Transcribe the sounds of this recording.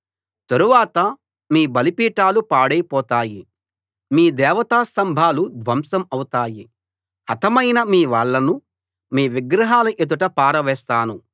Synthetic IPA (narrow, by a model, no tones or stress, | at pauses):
t̪ɐɾuʋaːt̪ɐ | miːbɐlipiːʈaːlupaːɽɐjpɔːt̪aːji | miːd̪ɛːʋɐt̪aːst̪ɐmbʱaːlud̪ʋɐmsɐmɐwut̪aːji | ɐt̪ɐmɐjnɐmiːʋaːɭːɐnu | miːʋiɡɾɐɦaːlɐʔet̪̬uʈɐpaːɾɐʋɛːst̪aːnu